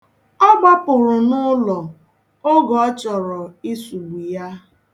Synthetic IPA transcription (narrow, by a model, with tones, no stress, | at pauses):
ɔ˦ɡ͡ba˦pʊ˨ɾʊ˨nʊ˦lɔ˨ | o˦ɡɔ˨ɔ˦t͡ʃɔ˨ɾɔ˨i˦su˨ɡ͡bu˨ja˦